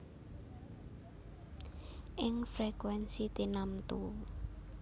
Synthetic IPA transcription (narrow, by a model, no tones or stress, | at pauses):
ʔɪŋfɾekwɛnsit̪inamt̪u